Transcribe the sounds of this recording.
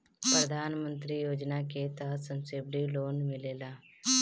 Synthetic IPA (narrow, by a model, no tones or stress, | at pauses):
pɾəd̪ʱaːnmə̃nt̪ɾijoːd͡ʒnaket̪əɦəsə̃msebɖiloːnmɪleːlaː